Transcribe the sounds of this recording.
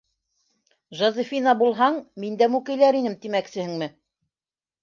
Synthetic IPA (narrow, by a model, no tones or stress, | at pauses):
ʒɑzifʲinɑbulˠɦɑɴmind̪æmʉkɘ̆jlæɾinɘmt̪imæksɘ̆hɘŋmɘ